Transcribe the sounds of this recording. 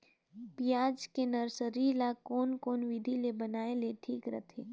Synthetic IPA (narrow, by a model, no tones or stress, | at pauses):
pijaːd͡ʒkenəɾsəɾilakoːnkoːnʋɪd̪ʱilebɐnaːeleʈʰiːkɾə̰t̪ʰeː